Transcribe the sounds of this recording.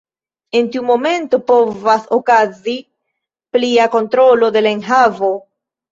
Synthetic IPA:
e̞ntiumo̞me̞nto̞po̞vasokazi | pliako̞ntɾo̞lo̞de̞laenɦavo̞

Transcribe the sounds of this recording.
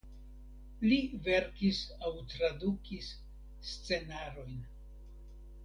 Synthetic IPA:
live̞ɾkisawtɾadukisː | t͡se̞naɾo̞jn

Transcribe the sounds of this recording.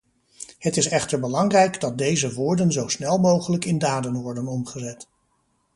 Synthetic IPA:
hətɪsɛχtəɹbəlɑŋrɛjɡdɑt̚dejzəʋʊːɹdənzowsnɛlˠmowχələkɪndaːdənʋɔɹdənɔmχəzɛt

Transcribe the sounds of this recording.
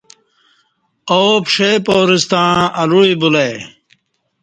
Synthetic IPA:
oːpʂepoːɾist̪ãːɐluɻibulej

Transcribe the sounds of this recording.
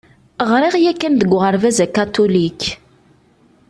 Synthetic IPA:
ʁɾiʁjækːænd̪əɡʷːʁəɾvæzækːat̪ulik

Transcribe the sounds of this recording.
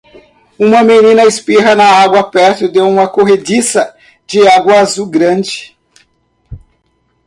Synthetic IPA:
ũmɐmenĩnɐɪspiɦɐnɐaɡwɐpɛɾt̪ʊɪd̪ewũmɐkoɦed͡ʒisɐ | d͡ʒɪaɡwɐazuɡɾɐ̃nd͡ʒɪ̥

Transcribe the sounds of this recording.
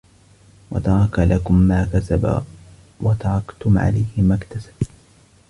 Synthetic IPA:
wɑ̰t̪ɑɾˤɑkalʔakʊmːaːkasaba̰ | wat̪ɑɾˤɑkt̪ʊmʕa̰lajhɪmakt̪asḁb

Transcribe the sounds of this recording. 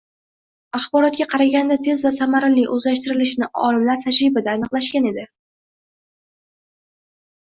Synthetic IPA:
ɑχbɒɾɒt̪̚ɡʲaqʰɑɾaɡʲand̪at̪ʰe̞zvasamaɾɪlɪʔɵzlaʃt̪ɪɾɪlɪʃnɪʔɒ̰lɪmlaɾt̪ʰaʃɾɪbɪd̪aːnɨqlˠaʃkʲane̞d̪ɪ

